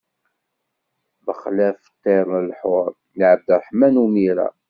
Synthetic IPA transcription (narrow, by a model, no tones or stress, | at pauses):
bəχlæfə̥t̪ːeɾˤəlħʊɾˤ | liʕəb̚d̪ɾˤəħmænumiɾæ̰